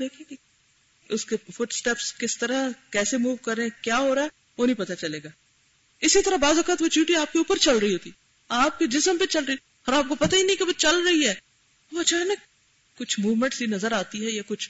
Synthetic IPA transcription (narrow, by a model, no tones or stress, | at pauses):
d̪eːkʰẽe | ʊskefʊʈsʈɛːpskɪst̪ɐɾakɛːsemuːʋkɐɾẽkjaːɦoːɾaːɛ | ʋoːnɐɦĩpɐt̪at͡ʃɐleːɡaː | ɪsit̪ɐɾabaːzɐkaːt̪ʋot͡ʃjuːʈiaːp̚keuːpəɾt͡ʃɐlɾɐɦiɦoːt̪i | aːp̚ked͡ʒɪsəmpet͡ʃɐlɾəi | ɔɾaːp̚kopɐt̪aɦinɐɦĩkeʋot͡ʃɐlɾɐɦiɦɛː | ɐt͡ʃʰaːɦɛna | kʊt͡ʃʰmuːʋmə̃ɳʈsjinɐzəɾaːt̪iɦɛjakʊt͡ʃʰ